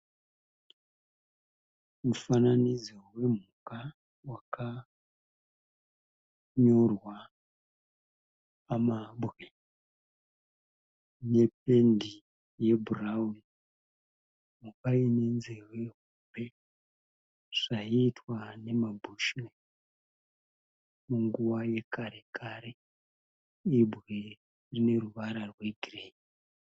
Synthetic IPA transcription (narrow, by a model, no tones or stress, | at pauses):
mufananid͡zewe̞m̤uka | waka | ɲo̞rwa | mabɣe | ne̞pe̞ndi | je̞bʱurauni | mukainenzeroe̞ɦube̞ | ʐ̥aitwane̞mabʱuʃne | muŋɡuwaje̞kaɾe̞kaɾe | ibʱɣe | rine̞ruʋaɾarwe̞ɡʱireːki